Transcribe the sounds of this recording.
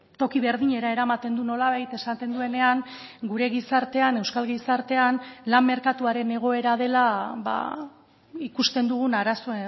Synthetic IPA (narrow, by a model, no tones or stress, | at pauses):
t̪o̞kiβe̞ɾðiɲe̞ɾaeɾamat̪e̞nd̪uno̞laβ̞ajt̪e̞sat̪e̞nd̪ue̞ne̞aŋɡuɾe̞ɣisaɾt̪e̞ane̞wskalɣisaɾt̪e̞anlamːe̞ɾkat̪uaɾe̞ne̞ɣ̞o̞e̞ɾað̞e̞laβa̰ | ikust̪e̞nd̪uɣ̞unaɾaso̞